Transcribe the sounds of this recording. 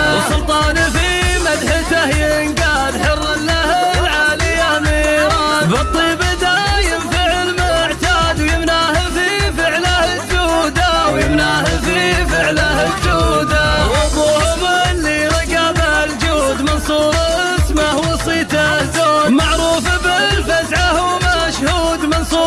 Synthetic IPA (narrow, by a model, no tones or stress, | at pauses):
wsʊlt̪ˤɑːnafimad̪ħɪt̪ahjnɡaːd̪ħʊrːɪlːahlʕaːlɪjːamiːɾɑbɨt̪ˤːiːbɪd̪ajɪmfɪʕɪlmʊʕt̪aːd̪wjɪmnahafifɪʕlah | d͡ʒuːd̪awjɪmnahafifɪʕlahd͡ʒuːd̪awɑðˤuːhʊmalːiɾˤɑɡabald͡ʒuːd̪mɪnsˤuːɾʔsmahwɑsˤiːt̪azoːmaʕɾˤuːfabɪlfasʕahʊmaʃhuːd̪mɪnsˤuː